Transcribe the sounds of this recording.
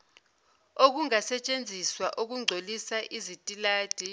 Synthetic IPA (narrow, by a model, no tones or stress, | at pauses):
ok̬uŋasɛt͡ʃʼend͡zʱiswaʔuk̬uŋ͡ǀʱolisaʔizitʼilaːd̥ʱi